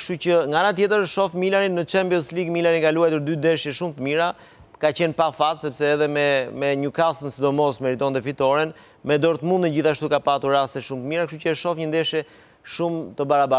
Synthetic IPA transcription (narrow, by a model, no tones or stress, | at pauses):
kʃt̪ut͡ɕəŋɡaanat̪jɛt̪əɾəʃɔfmilaɾinnːət͡ʃɛmpijɔsliɡmilaɾinkaluajt̪uɾd̪yd̪ɛʃjɛʃumt̪əmiɾa | kat͡ɕɛnpafat̪sɛpsɛːðɛmɛmɛɲəkasənsid̪ɔmɔsmɛɾit̪ɔnd̪ɛfit̪ɔɾɛn | mɛd̪ɔɾt̪mund̪əɟiθaʃt̪ukapat̪uɾːast̪ɛʃumt̪əmiɾakəʃt̪ucəəʃɔfɲənd̪ɛʃjɛ | ʃumt̪əbaɾaba